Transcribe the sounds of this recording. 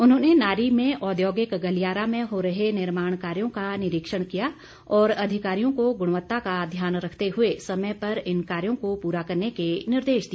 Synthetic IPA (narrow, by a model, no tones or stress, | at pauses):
ʊnɦõːnenaːɾimẽʔɔːd̪joːɡɪkɡɐlijaːɾamẽɦoːɾɐɦenɪɾmaːɽ̃kaːɾjõkanɪɾɪkʃəɽ̃kija | ɔːɾɐd̪ʱɪkaːɾijõkoɡʊɽ̃ʋət̪ːakad̪ʱjaːnɾɐkʰt̪eɦʊesɐməjpɐɾɪnkaːɾjõkopuːɾakɐɾnekenɪɾd̪eːʃd̪i